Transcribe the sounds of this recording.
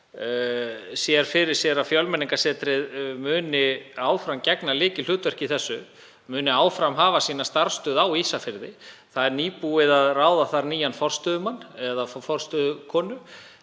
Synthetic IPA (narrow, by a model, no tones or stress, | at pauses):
sjɛɾ̥fɪɾɪɾ̥sjɛɾafjɔwlmɛniŋkasɛːt̪ɾɪðmʏːnɪaːwfɾamcɛknalɪːcɪl̥ʏːt̪vɛr̥cɪiθɛsːʏ | mʏːnɪaːwfɾamɦaːvasiːnast̪aɾ̥st̪ʏːðawisafɪɾðɪθaðɛɾniːpuɪðaðraːwðaθaɾniːjanfɔr̥st̪ʏːðʏmanːɛðaffɔr̥st̪ʏðʏkʰɔːnʏ